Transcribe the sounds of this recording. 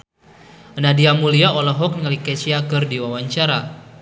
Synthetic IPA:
nadiamuliaɔlɔɦɔk̚nŋalikɛt͡ʃiakərdiwawaɲt͡ʃaɾa

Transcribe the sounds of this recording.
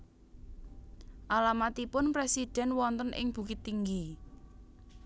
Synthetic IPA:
ʔalamat̪ipʊnpɾesid̪̥ɛ̤nwɔnt̪ənʔɪ̰ŋb̥ṳkɪt̪ːiŋɡi

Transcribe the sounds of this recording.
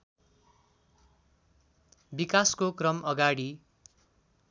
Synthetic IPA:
bikaskokrʌmʌɡaɽi

